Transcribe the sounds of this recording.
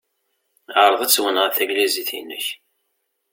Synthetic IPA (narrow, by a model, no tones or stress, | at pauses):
əɾˤəðˤæt͡sːwənʁəθæɡliziθḭnːə̰ç